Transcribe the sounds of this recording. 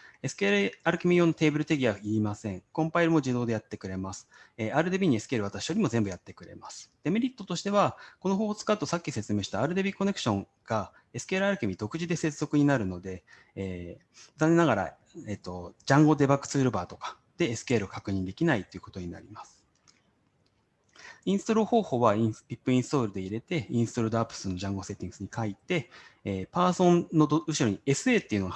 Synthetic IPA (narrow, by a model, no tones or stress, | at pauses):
e̞sɨ̥keɾɯ̟aɾɯ̟kʲimʲijo̞nːot̪e̞ːbɯ̟ɾɯ̟t̪e̞ɡʲiaiːmasẽ̞ŋkõ̞mpaiɾɯ̟mo̞d͡ʑid̪o̞ːd̪e̞jat̪ːe̞kɯ̟ɾe̞masɨ̥eaːɾɯ̟d̪ebʲiːɲ̟ie̞sɨ̥ke̞ːɾɯ̟βat̪aɕi̥jo̞ɾʲimozẽ̞mbɯ̟jat̪ːe̞kɯ̟ɾe̞̰masɨ̥d̪̥e̞meɾʲit̪ːo̞t̪o̞ɕi̥t̪e̞βako̞no̞ɦo̞ːhot͡sɨ̥kat̪ːo̞sakʲːise̞t͡sɨme̞ːɕi̥t̪aːɾɯ̟d̪e̞bʲiːko̞ne̞kɯ̥ɕõ̞ŋ | ɡ̥a | e̞sɨ̥ke̞ːɾɯ̟aɾɯ̟kʲimʲid̪o̞kɯ̟ʑid̪e̞se̞t͡sɨzo̞kɯ̟ɲ̟inaɾɯ̟no̞d̪e̞ː | zanenaɡaɾa̰ | et̪ːo̞d͡ʑãŋɡo̞d̪e̞bakːɯ̥t͡sɨːɾɯ̟baːt̪o̞̥kḁ | d̪̥e̞ːsɨ̥keːɾɯ̟okakɯ̟ɲ̟ĩnd̪e̞kʲinait̪ːoeiɯ̟kot̪o̞ɲ̟ina̰ɾʲimasɨ̥ | ĩɰ̃sɨ̥t̪oɾɯho̞ːho̞ːβaipʲipːɯ̟ĩɰ̃sɨ̥t̪o̞ːɾɯ̟d̪e̞iɾe̞t̪e̞ĩɰ̃sɨ̥t̪oɾɯ̟d̪apːɯ̥sɨnːo̞ʑãŋɡo̞se̞t̪ʲːĩŋɡɯ̥sɨɲ̟ikait̪e̞ːpaːsõ̞nno̞ɯ̟ɕiɾo̞ɲ̟ie̞sɨe̞ːt̪ːe̞iɯ̟noɡa